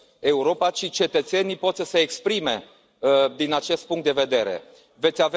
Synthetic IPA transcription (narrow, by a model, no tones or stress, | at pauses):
e̞uɾo̞pat͡ʃit͡ʃe̞t̪ət̪se̞nipo̞t̪səseːkspɾime̞ | d̪inat͡ʃe̞st̪̚puŋkt̪̚d̪eve̞d̪e̞ɾe̞̰ | ve̞t̪sʲave